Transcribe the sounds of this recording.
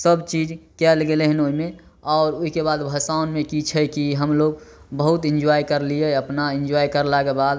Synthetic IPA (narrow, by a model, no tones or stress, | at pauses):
səbt͡ʃid͡ʒkɛlɡeleɦɛnoimẽ | ɔːɾoɦikebad̪bʱəsaʊnmekit͡ʃʰɛkiɦəmloɡ | bəɦʊt̪ɪ̃nd͡ʒajkəɾlieəpnaɪnd͡ʒajkəɾlakebad̪